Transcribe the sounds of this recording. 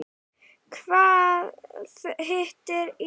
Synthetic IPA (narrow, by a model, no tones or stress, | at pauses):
kʰvaːð | ɦɪht̪ɪɾ